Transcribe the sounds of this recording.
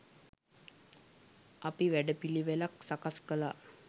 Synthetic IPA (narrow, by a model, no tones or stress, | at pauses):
apiʋæɖəpiliʋelaksakaskəla